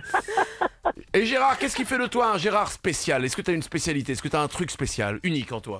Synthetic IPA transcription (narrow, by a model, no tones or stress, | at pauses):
eʒeʁaʁkʲɛskʲifɛd̪ət̪waɛ̃ʒeʁaʁspesjalɛskət̪yaynspesjalit̪eɛskət̪yaɛ̃t̪χykspesja̰lynikɑ̃t̪wa̰